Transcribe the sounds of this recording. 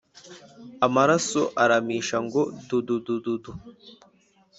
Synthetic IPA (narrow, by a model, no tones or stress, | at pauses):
amaɾasoʔaɾamiːʃaŋɡo̞dududududu